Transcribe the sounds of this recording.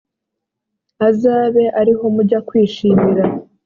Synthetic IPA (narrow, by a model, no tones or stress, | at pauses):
azaːβe̞ʔaɾiɦomuɾɟakwiːʃiːmiɾa